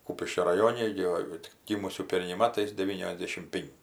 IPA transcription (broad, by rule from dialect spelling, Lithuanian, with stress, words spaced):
ˈkuːpʲɪʃʲkʲoː rɐˈjoːnʲɛ ɡʲɪ ˈʋɐ tʲɪk ˈɡʲiːmʊsʲuː ˈpʲɛrʲnʲɛɪ ˈmɑːtɐɪs dʲɛˈʋʲiːnʲoːzʲˌdʲeːʃʲɪm ˈpʲɪŋʲkʲɪ